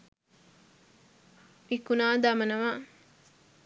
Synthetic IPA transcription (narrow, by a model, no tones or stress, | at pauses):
mikunaːd̪amɐnɐʋa